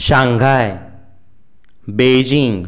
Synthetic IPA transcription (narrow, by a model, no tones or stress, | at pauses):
ʃãŋɡʱaj | beːd͡ʒĩŋɡ